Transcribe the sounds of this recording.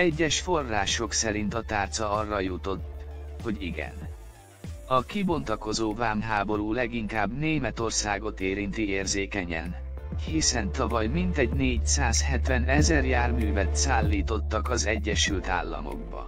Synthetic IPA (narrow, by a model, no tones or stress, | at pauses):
ɛɟːɛʃfo̞rːaːʃo̞ksɛɾint̪ɒt̪aːrt̪sɒɒrːɒjut̪o̞t̪ː | ho̞ɟiɡɛ̰n | ɒkibo̞nt̪ɒko̞zoːvaːmɦaːbo̞ɾuːlɛɡiŋkaːbneːmɛt̪o̞rsaːɡo̞t̪eːɾint̪ieːrzeːkɛɲɛ̰n | hisɛnt̪ɒvɒjmint̪ɛɟneːɟsaːshɛt̪vɛnɛzɛrjaːrmyːvɛt̪saːlːiːt̪o̞t̪ːɒkɒzɛɟːɛʃylt̪a̰ːlːɒ̰mo̞̰ɡ̚bɒ̰